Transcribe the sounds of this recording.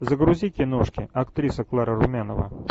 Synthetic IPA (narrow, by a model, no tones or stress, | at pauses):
zəɡɾʊzʲikʲɪnoʂkʲɪɐkt̪ɾʲisəklˠaɾəɾʊmʲanəvə̰